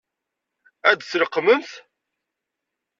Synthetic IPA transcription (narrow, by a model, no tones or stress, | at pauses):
æd̪sɾəqːməmθ